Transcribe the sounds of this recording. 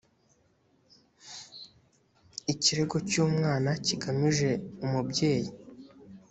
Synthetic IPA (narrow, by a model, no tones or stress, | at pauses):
iciɾe̞ɡo̞cuːmŋaːnaciɡamiʒe̞umubɟe̞ːji